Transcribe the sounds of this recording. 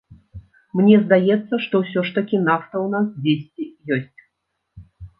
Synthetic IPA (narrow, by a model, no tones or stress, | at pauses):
mnʲɛzd̪ajɛt̪sːɐʂt̪ɔwsʲɔʂt̪ɐkʲinaft̪ɐwnasd͡zʲesʲt͡sʲijɔsʲt͡sʲ